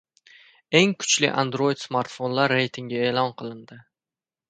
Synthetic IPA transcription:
e̞ŋkʰʊ̥t͡ʃlɪ̰ʔa̰nd̪ɾo̞jɪd̪smaɾt̪fo̞nlaɾːe̞jt̪ʰɪŋɡʲae̞ːlˠɒnqʰɨlˠɪnd̪ɪ

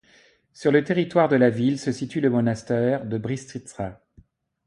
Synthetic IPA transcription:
syʁlət̪eʁit̪waʁd̪əlavilsəsit̪yləmɔnast̪ɛʁd̪əbʁist̪χit̪sʁa

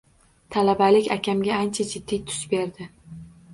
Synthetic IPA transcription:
t̪ʰalabalɪkʲakʲʰamɡʲaant͡ʃʰad͡ʒɪd̪ːijt̪ʰʊ̥ʃbe̞ɾd̪ɪ

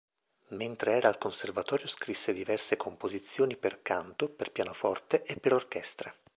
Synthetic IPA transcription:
ment̪ɾeɛːɾaːlkonservat̪ɔːɾjoskɾisːed̪ivɛrsekʰompozit̪sːjoːniperkant̪operpjaːnofɔrt̪eʔepːeɾork̟ɛst̪ɾe

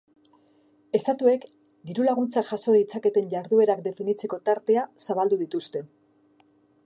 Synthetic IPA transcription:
e̞st̪at̪ue̞k | d̪iɾulaɣ̞unt͡saʝaso̞ðit͡sake̞t̪e̞ɲɟaɾðue̞ɾakd̪e̞finit͡se̞ko̞t̪aɾt̪e̞asaβald̪uðit̪ust̪e̞

